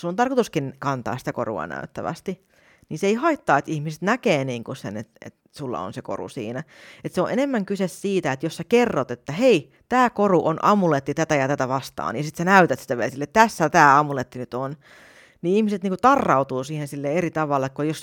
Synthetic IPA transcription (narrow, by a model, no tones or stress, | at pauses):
sunt̪ɑrkot̪uskinkɑnt̪ɑ̰ːsi̥t̪æko̰rṵɑ̰næ̰yt̪ːæ̰ʋæ̰st̪i | niːnseeihɑit̪ːɑːet̪ihmise̥t̪nækeːniːŋkusḛnḛt̪ḛt̪ | sulːɑ̰o̰nseko̰rṵsḭːnæ | et̪seõʔenemːæŋkysessiːt̪æet̪jossækerːot̪et̪ːæhei | t̪æːkoruʔonʔɑmulet̪ːit̪æt̪æjɑt̪æt̪æʋɑst̪ɑ̰ːnjɑsit̪sænæyt̪æt̪si̥t̪æʋelsilːet̪t̪æsːæt̪æːɑmulet̪ːinyt̪on | niihmiset̪niːŋkut̪ɑrːɑut̪uːsiːhensilːeerit̪ɑʋɑlːekkojos